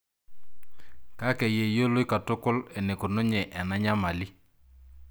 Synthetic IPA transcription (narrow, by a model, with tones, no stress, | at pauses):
ka˦ke˨je˨jo˦lo˦jka˨tʊ˦kʊ˦le˨ne˨kʊ˨nʊ˦ɲɛ˨ʔɛ˨na˦ɲa˦ma˨li˦